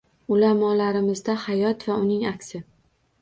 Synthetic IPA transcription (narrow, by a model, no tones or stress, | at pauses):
ʊlamɒlaɾɪmɪzd̪ahajɒt̪vaʊnɪŋakʲsɪ